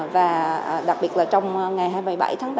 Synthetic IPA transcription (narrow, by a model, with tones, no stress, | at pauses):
vaː˨˩˨ɗa˨˩k̚ɓi˨˩ət̚laː˨˩t͡ɕɔ˧wŋ͡mŋa˨˩jɦaː˧jmə˨˩jɓa̰˧˩jt̪ʰaː˨˦ŋɓ